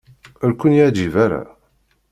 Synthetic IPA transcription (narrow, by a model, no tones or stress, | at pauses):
əɾkʷʊnjæd͡ʒivaɾa̰